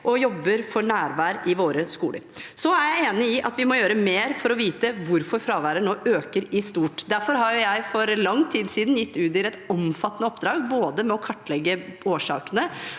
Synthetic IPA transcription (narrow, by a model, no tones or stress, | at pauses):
ʔɔjɔbːəɾfɔɳæːɾʋæːɾɪʋoːɾəskṵːlə̰ɾsɔæɾjæɪeːnɪɪʔɑ̰t̪ʋɪmɔjøːɾəmeːɾfɔɾɔʋiːt̪əʋʊɾfɔɾfɾɑːʋæːɾənoːʔøːkəɾɪst̪uːʈd̪æɾfɔɾɦɑɾjʊjæɪfɔɾlɑŋːt̪ʰiːd̪siːd̪njɪt̪ːʉːt̪ɪlɛt̪ɔmfɑt̪ːənəɔpd̪ɾɑːɡboːd̪əmɛɔkʰɑʈːlɛɡːəoːʂɑ̰ːkənə